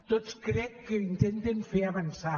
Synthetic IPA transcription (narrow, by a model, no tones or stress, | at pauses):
t̪ot̪skɾɛkkːeint̪end̪enfeaβansa